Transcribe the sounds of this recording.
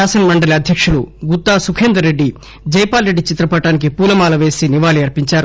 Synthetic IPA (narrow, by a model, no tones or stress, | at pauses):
aːsɐnmɐɳɖɐliɐd̪ʱjɐkʂuluɡut̪ːaːsukʰeːnd̪ɾɐɾe̞ɖːi | d͡ʒɐjpaːlɾeɖːit͡ʃit̪ɾɐpɐʈaːnik̬ipuːlɐmaːlɐʋe̞ːsiniʋaːliɐɾpiɲt͡ʃaːɾu